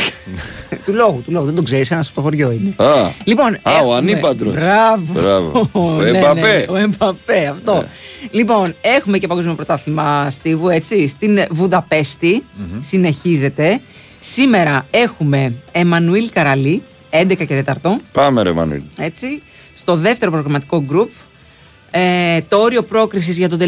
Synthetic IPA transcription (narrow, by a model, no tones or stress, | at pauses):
t̪ulo̞ɣut̪ulo̞ɣuðed̪oɡze̞ɾisenɐspo̥t̪oxo̞ɾʝo̞ine̞ɐlipo̞naoɐnipɐnd̪ɾobsɾɐvb̰ɾɐvo̰ooenebɐneoembɐpeɐft̪o̞lipo̞ne̞xume̞cepɐɡo̞zmiopɾo̞t̪ɐθimɐst̪ivue̞t͡sist̪invuðɐpe̞st̪isine̞çize̞t̪e̞ | sime̞ɾɐe̞xume̞ːmɐnuilkɐɾɐli | e̞nd̪e̞kɐce̞t̪e̞t̪ɐɾt̪o̞pɐmeɾḛmɐ̰nṵḭle̞t͡si | st̪oðe̞ft̪e̞ɾo̞pɾo̞ɣɾɐmɐt̪i̥ko̞ɡɾup̚ | et̪ooɾio̞pɾo̞kɾis̬izʝɐt̪od̪e